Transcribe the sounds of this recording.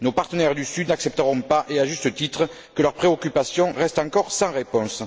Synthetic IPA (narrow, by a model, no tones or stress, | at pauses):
nopaʁt̪ənɛʁd̪ysyd̪naksɛp̚t̪əʁɔ̃paʔeaʒyst̪ət̪it̪χə | kəlœʁpχeɔkʲypasjɔ̃ʁɛst̪ɑ̃kɔʁsɑ̃ʁepɔ̃s